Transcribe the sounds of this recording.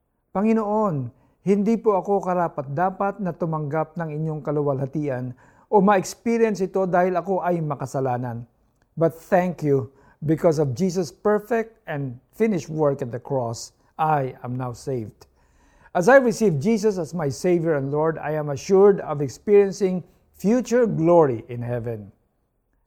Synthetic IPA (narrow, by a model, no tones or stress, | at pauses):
pɐŋɪnoʔon | hɪnd̪ipoʔɐko̞kɐɾaːpɐt̪̚d̪aːpɐt̪̚nɐt̪ʊmɐŋɡap̚nɐŋɪɲːo̞ŋkɐlʊwɐlhɐt̪iːʔɐn | ʔomɐɛkspiɹjɛnsɪt̪o̞d̪aːhɪlɐko̞ʔɐjmɐkɐsɐlaːnɐn | bɐt̪̚θɛŋkju | bɪkɔs̬ɔvd͡ʒis̬ospɛɹfɛk̚t̪ɛ̃nd̪fɪ̃nɪʃ̚wɛɹkɐt̪̚d̪ɐkɹɔs | ʔajɐmnawsejvd̪ | ʔɐsajɹɪsivd͡ʒiːs̬ɔsɐsmajsejvjɛɹɛ̃nloɹd̪a̰jãmɐʃuɹd̪ɔvɛkspiɹiɛ̃nsɪ̃ŋ | fjut͡ʃʊɹɡloɹiʔɪ̃nhɛvɛ̃n